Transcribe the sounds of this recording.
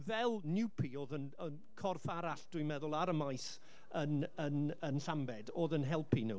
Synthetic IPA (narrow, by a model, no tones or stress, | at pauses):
vɛlˠnɪwpʰioːðənən | kʰɔrfaɾaɬd̥wimɛðʊlˠaɾəmajs | ənənənɬambɛdoːðənɦɛlˠpʰinṵ